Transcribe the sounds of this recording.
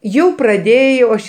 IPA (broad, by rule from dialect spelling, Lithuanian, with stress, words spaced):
ˈjɛʊ prɐˈdʲeːjɛʊ ˈɐʃ